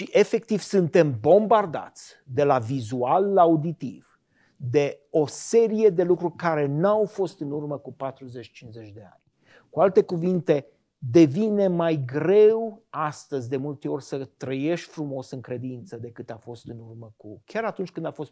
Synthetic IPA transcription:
ʃiʔe̞fe̞k̚t̪iv̥sɨnt̪e̞mbo̞mbard̪a̰t̪sʲ | d̪e̞lavizualːaud̪it̪iv̥ | d̪e̞o̞se̞ɾije̞d̪e̞lukɾurʲkaɾe̞nawfo̞st̪ɨnurməkupat̪ɾuze̞t͡ʃt͡ʃinze̞t͡ʃʲd̪e̞a̰nʲ | kualt̪e̞kuvint̪e̞ | d̪e̞vine̞majɡɾe̞wast̪əzʲd̪e̞mult̪e̞o̞rʲsət̪ɾəje̞ʃt̪ʲfɾumo̞sɨŋkɾe̞d̪int̪səd̪e̞kɨt̪afo̞st̪ɨnurməkukʲaɾat̪unt͡ʃʲkɨnd̪afo̞st̪

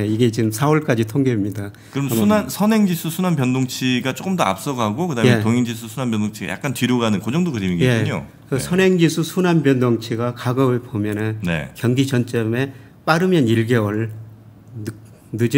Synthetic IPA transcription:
eiɡe̞t͡ɕiɯmsʰaʌɭk͈ad͡ʑitʰoŋɡemɲida | kɯɾʌmsʰunansʰʌne̞ŋd͡ʑisʰusʰunanpjʌndoŋt͡ɕʰiɡat͡ɕ͈ok͈ɯmdoa̰p̚s͈ʌɡɦaɡokɯdametoŋiŋd͡ʑis̬ʰusʰunanpjʌndoŋt͡ɕʰiɡa̰ja̰k͈antɥiɾoɡanɯnkod͡ʑʌŋdokɯɾimiŋɡjek̞ɲo̰ | ʌsʰʌnɦe̞ŋd͡ʑisʰusʰunanbjʌndʌŋt͡ɕʰiɡakaɡʌbɯɭpomjʌnɯnnḛkjʌŋɡit͡ɕʌnt͡ɕ͈ʌme̞ | p͈aɾɯmjʌniɭɡe̞ʌɭ | nɯd͡ʑi

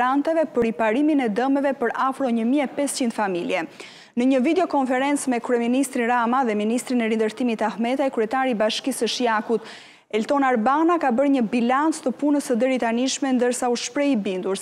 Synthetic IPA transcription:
ant̪ɛvɛpəɾipaɾiminɛd̪əmɛvɛpəɾafɾɔɲəmiɛpɛst͡ɕind̪familjɛ | nəɲəvid̪ɛɔkɔnfɛɾɛnt͡smɛkɾuɛminist̪ɾinɾamaðɛminist̪ɾinɛɾind̪əɾt̪imit̪ahmɛt̪ajkɾyɛt̪aɾibaʃkisəʃiakut̪ | ɛlt̪ɔnaɾbanakabəɾɲəbilant͡st̪əpunəsəd̪ɛɾit̪aniʃmɛnd̪əɾsauʃpɾɛibind̪uɾ

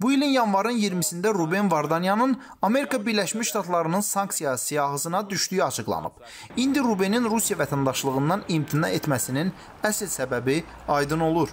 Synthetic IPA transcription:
builinjɑnvɑɾɯnjiɾmisind̪æɾubenvɑɾd̪ɑnjɑnɯn | ɑme̞ɾikʰɑbiɾlæʃmiʃʃt̪ɑt̪lˠɑɾɯnɯnsɑŋksijɑsijɑɣɯzɯnɑd̪yʃd̪yjyɑt͡ʃʰɯɡlˠɑ̰nɯ̰b̥ | ind̪iɾubeninɾusijɑvæt̪ʰænd̪ɑʃlˠɯɣɯnd̪ɑnimt̪ʰinɑ̰e̞t̪mæsinin | æsilsæbæbi | ɑjd̪ɯno̞lˠuɾ

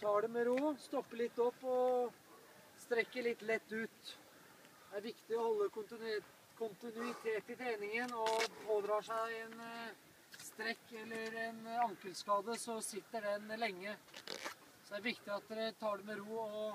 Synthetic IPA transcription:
t̪ʰɑːɖɛmɛɾuːst̪ɔpːəɭɪt̪ːɔpːɔ | st̪ɾɛkːəɭɪt̪ːlɛt̪ːʉːt̪ | d̪ɛæɾʋɪkt̪ɪɔhɔlːəkʊnt̪ɪ | kʰʊnt̪ɪnʉɪt̪ʰeːt̪ɪt̪ʰɾeːnɪŋənɔpʰoːd̪ɾɑːʂæɪɛn | st̪ɾɛkːɛlːəɾɛnɑŋkəlskɑːd̪əsɔsɪt̪ːəɖɛnlɛŋːə | sɔd̪æɾʋɪkt̪ɪɑt̪̚d̪ɛɾɛt̪ʰɑːɖɛmɛɾuːɔ

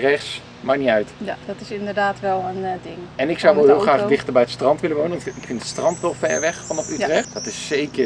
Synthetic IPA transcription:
rɛχs | maɹniœɥtjad̥ɑtɪsɪndəɹdaːtʋɛlˠəndɪŋɛnɪksawʋəlˠɦɪlˠχraːχdɪχtəɹbɛjətstrɑntʋɪləʋownənɪkfɪntə̥tstrɑntʋɛlˠfɛɹʋɛχfɑnɔfytrɛχtdɑtɪsːejkə

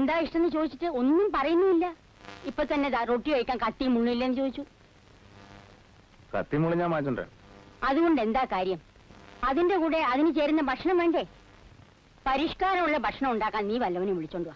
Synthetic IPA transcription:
e̞nd̪aːiʂʈɐenːɨt͡ɕo̞ːðit͡ɕːiʈːɨo̞nːumpɐrɐjunːuðilːɐ | ipːoːt̪ɐnːeroʈːiʋɐjkʲːaːnkɐt̪ːimuɳːuilːɐenːɨt͡ɕo̞ːðit͡ɕːu | kɐ̰t̪ːimuɭiɲːaːmaːt͡ɕːoɳɖḛ | ɐðuɣo̞ɳɖe̞nd̪aːkaːɾjɐm | ɐðinde̞kuːɽe̞ɐðinɨt͡ɕe̞ːɾunːɐbʱɐʈʂɐɳɐmʋeːɳɖe | pɐɾiʂkaːɾɐmuɭːɐbʱɐʈʂɐɳɐmuɳɖaːkːaːnniːʋɐlːɐʋɐnumʋiɭit͡ɕːo̞ːɳɖuʋa

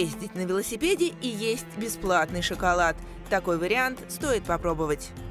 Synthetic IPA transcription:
esʲtʲɪtʲnəvʲɪlˠəsʲɪpʲedʲɪʔijesʲtʲbʲɪsplˠat̪nɨjʂɨkɐlˠat̪ː | ɐko̞jvəɾʲɪant̪st̪o̞jɪt̪̚pɐpɾo̞bəvətʲ

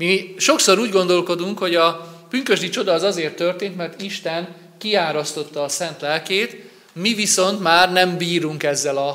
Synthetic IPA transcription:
miʃo̞kso̞ɾuːɟɡo̞nd̪o̞lko̞d̪uŋkho̞ɟɒb̥yŋkø̞ʒd̪it͡ʃo̞d̪ɒːzɒzeːrt̪ːørt̪eːnt̪mɛrt̪iʃt̪ɛn | kiaːɾɒst̪o̞t̪ːɒːsɛnt̪lɛlkeːt̪ | miviso̞nt̪maːrnɛmbiːɾuŋkɛzːɛlɒ

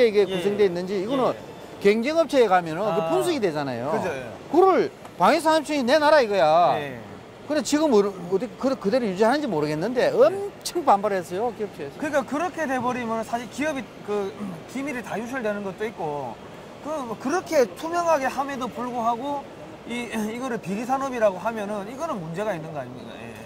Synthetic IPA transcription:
eiɡe̞kus̬ʰeŋdwe̞inːɯnd͡ʑiːɡonɯn | ke̞ŋd͡ʑeŋɦʌp̚t͡ɕʰeːɡamjʌnɯnkɯpkʰuns̬ʰɯɡidwe̞d͡ʑana̰jokɯd͡ʑʰo | kɯɾɯɭ | paŋis̬ʰaŋams͈ʰiŋine̞naɾaiɡʌja | kɯndet͡ɕiɡɯmtikkɯkɯde̞ɾojud͡ʑiɦanɯnd͡ʑimoɾɯɡe̞nːɯnde̞ʌmt͡ɕʰɯŋpambaɾɦesʰʌjokiʌp̚ɕ͈ieskɯɾik͈akɯɾʌkʰe̞te̞bʌɾimjʌnɯnsʰaɕʰiɭkiʌbi | kɯkimiɾitajuɕ̬ʰɯɭdwenɯnɡʌt̚t͈oit̚k͈o | kɯkɯɾʌkʰe̞tʰumjʌŋɦaɡe̞hame̞dopuɭɡoɦaɡo | iiɡʌɾɯɭpiɾisʰanʌbiɾaɡoɦamjʌnɯniɡʌnɯnmund͡ʑe̞ɣainːɯnɡʌaɲimɲida̰jḛ

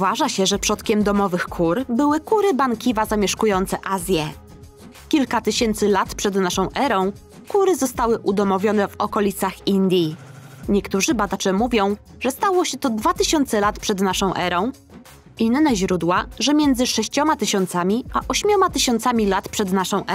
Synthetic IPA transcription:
vaʐaɕɛʐɛpʂɔt̪kʲɛmd̪ɔmɔvɘxkʰuɾbɘwɘkuɾɘbaŋkʲivazamʲjɛʂkujɔnt̪sɛʔazʲjɛ | kʲilkat̪ɘɕɛnt̪sɘlat̪pʂɛd̪naʂɔ̃w̃ʔɛɾɔ̃w̃ | kuɾɘzɔst̪awɘʔud̪ɔmɔvʲjɔnɛvɔkɔlʲit̪saxind̪ʲji | ɲɛkt̪uʐɘbad̪at͡ʂɛmuvʲjɔ̃w̃ | ʐɛst̪awɔɕɛt̪ɔd̪vat̪ɘɕɔnt̪sɛlat̪pʂɛd̪naʂɔ̃w̃ʔɛɾɔ̃w̃ | ʔinːɛʑɾud̪waʐɛmʲjɛnd̪zɘʂɛɕt͡ɕɔmat̪ɘɕɔnt̪samʲiʔaʔɔɕmʲjɔmat̪ɘɕɔnt̪samʲilat̪pʂɛd̪naʂɔ̃w̃ʔɛ

